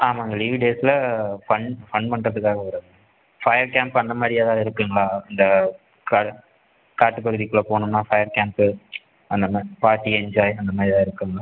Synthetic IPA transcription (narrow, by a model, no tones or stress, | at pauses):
aːmãːɪŋɡɐliʋiɖeːsɪlɐfɐɳfɐɳpɐɳrɐðɯkːaːɣɐɐɾɐ | fɐjɐɾkaːmpɐnd̪ɐmaːd̪ɾɪjaːðãːɪɾɯkːɯŋɡɐɭaːɐnd̪ɐ | ka | kaːʈːɯpːɐɾɯðikːɯɭːɐpoːɳɯmnaːfɐjɐɾkaːmp | ɐnd̪ɐmpaːɾʈːiɛɲd͡ʒaːjɐnd̪ɐmaːd̪ɾɪt̪ãːɪɾɯkːɯŋɡɐɭaː